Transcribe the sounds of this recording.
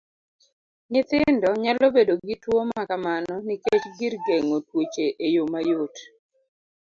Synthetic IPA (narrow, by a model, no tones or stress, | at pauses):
nɪt̪ɪndɔɲalobedoɡitwomakamanɔniket͡ʃɡɪrɡeŋotwot͡ʃeʔejomajot